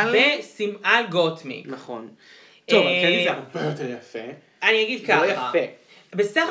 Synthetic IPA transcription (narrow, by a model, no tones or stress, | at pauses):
lvesimalɡotmḭknɐχon | ovɛnizeʁobejoteʁjafe | aniaɡid̪̚kaojafe | besaχ